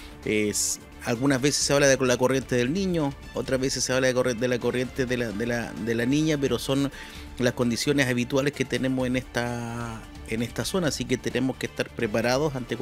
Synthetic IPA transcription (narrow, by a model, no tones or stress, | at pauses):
es | alɣunazβese̥sːeaβlaðelakorje̞nt̪e̞ðe̞lniɲo̞ | ot̪ɾazβesesːeaβlaðekod̪elako̞rje̞nt̪eðelaðelad̪elaniɲape̞ɾo̞so̞n | lasko̞nd̪isjo̞nesaβ̞it̪waleske̞t̪e̞ne̞mosenest̪a | ene̞st̪aso̞nasike̞t̪e̞nʔe̞moskeːst̪aɾpɾepaɾað̞o̞sant̪ek